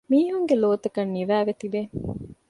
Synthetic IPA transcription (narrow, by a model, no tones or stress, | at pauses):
miːɦuŋɡeloːt̪ɐkɐnːiʋæːʋet̪ibe